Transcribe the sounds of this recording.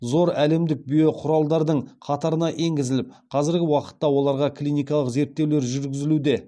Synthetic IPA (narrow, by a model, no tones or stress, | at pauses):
zo̞ɾæle̞md̪ɪk̚bijo̞qʰʊɾɑlˠd̪ɑɾd̪əɴqʰɑt̪ɑɾənɑʔe̞ŋɡʲɪzɪlɪp̚qʰɑzɪɾɡʲɪwɑqə̥t̪ːɑwo̞lˠɑɾʁɑkʰlʲijnijkɑlˠəqze̞ɾt̪ːe̞wle̞ɾʒʏɾɡʲɪzɪlud̪e̞